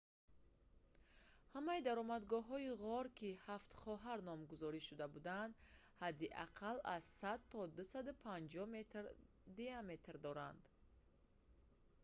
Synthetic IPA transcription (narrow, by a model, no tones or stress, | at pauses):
hamaid̪aɾɔmad̪ɡɔɦɔiʁɔɾkʰihaft̪χɔɦaɾnɔmɡuzɔɾiʃud̪abud̪and̪ | had̪ːiʔa̰qʰalaz̥sad̪̚t̪ʰːɔd̪usad̪upʰand͡ʒɔmet̪ɾ | d̪eame̞t̪ɾd̪ɔɾand̪